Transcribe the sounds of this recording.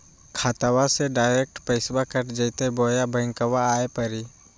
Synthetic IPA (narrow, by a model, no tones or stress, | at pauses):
kʰaːt̪awaseɖaːɪɾek̚ʈpɐɪsbakəʈd͡ʒəɪt̪eboːjabə̃ɪ̃ŋkəʋaaːepəɾi